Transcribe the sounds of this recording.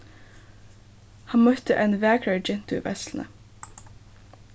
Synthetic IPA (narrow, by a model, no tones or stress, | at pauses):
hɑnmœt̪əʔeːnʋæːkʰɹæɹd͡ʒɛnt̪ʉʋɛ̰sln̩ə̰